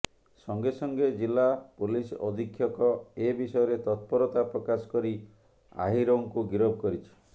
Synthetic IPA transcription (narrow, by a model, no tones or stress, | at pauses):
sɔŋɡesɔŋɡed͡ʒilːapulisɔd̪ʱikʰjɔkɔebisɔjɔɾet̪ɔt̪̚pɔɾɔt̪apɾɔkasɔ̥kɔɾi | a̰ɦiɾoŋkuɡiɾɔb̚ʱkɔɾit͡ʃʰi̥